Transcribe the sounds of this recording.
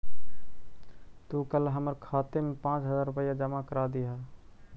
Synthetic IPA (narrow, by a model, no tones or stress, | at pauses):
t̪ukəlɦəməɾkʰaːt̪emepãːt͡ʃɦəzaːɾʊpəjad͡ʒəmakəɾaːd̪iɦa